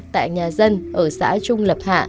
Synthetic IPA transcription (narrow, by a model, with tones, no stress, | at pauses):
t̪a̰ː˧˨jɲaː˨˩zə˧nʔəː˧˩sa̰ː˧˥t͡ɕʊ˧ŋ͡mlə˨˩p̚ha̰ː˧˨